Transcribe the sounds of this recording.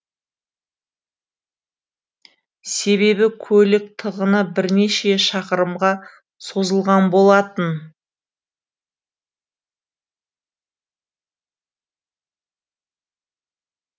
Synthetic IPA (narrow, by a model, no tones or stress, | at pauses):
se̞βe̞bɪkʲʰɵlɪk̚t̪ʰəʁənəbɪɾne̞ʃe̞ʃɑqəɾəmʁɑ | so̞zəlˠʁɑnbo̞lˠɑt̪ən